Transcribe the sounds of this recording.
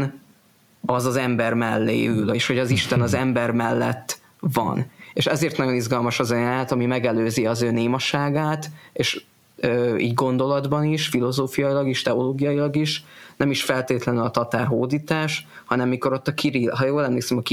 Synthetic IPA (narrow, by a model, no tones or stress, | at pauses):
n | ɒzɒzɛmbɛrmɛlːḛːyleʃho̞ɟɒziʃt̪ɛnɒzɛmbɛrmɛlːɛt̪ː | vɒ̰neʃɛzeːrt̪nɒɟo̞nizɡɒlmɒʃɒzɒaːt̪ɒmimɛɡɛløːziɒzøːneːmɒʃaːɡaːt̪eːʃ | øːḭːɟɡo̞nd̪o̞lɒd̪bɒniʃfilo̞zoːfijɒilɒɡiʃt̪ɛoloːɡijɒjilɒɡiʃnɛmiʃfɛlt̪eːt̪lɛnylɒt̪ɒt̪aːrɦoːd̪iːt̪aːʃhɒnɛmːiko̞ɾo̞t̪ːɒkʰiɾiɦɒjoːlɛmleːksɛmɒki